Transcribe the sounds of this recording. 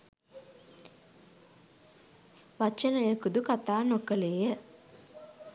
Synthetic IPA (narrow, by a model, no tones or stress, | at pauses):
ʋat͡ʃənəjəkud̪ukat̪aːnokəleːjə